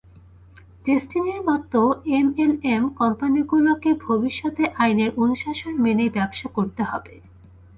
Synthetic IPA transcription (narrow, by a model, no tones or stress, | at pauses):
tesʈineɾmɔt̪ːoemelemkɔmpaniɡulokebʱobiʃːɔt̪eʔajneɾʔonuʃaʃonmenejbɛbʃakoɾt̪eɦɔ̰be